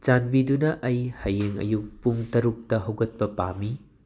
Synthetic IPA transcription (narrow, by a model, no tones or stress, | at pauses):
t͡ʃanbidunɐʔɐjhɐjeŋɐ̰juk̚puŋtɐɾuk̚tɐɦɐwɡɐt̚pɐpa̰mi